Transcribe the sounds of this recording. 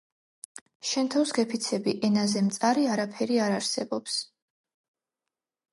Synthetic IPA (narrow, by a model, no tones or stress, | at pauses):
ʃɛnt̪ʰɔwsɡɛpʰit̪sʰɛbiʔɛnazɛmt̪sʼaɾiaɾapʰɛɾiaɾaɾsɛbɔps